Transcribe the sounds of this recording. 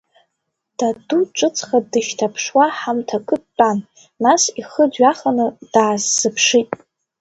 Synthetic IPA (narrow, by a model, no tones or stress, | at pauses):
d̥aduʈ͡ʂʷʼɨt͡sʰʼχadɨʃtʰapʰʂwaħamtʰakʰʼɨːanː | asiχədɥaχanɨd̥aːzːɨpʰʂitʼ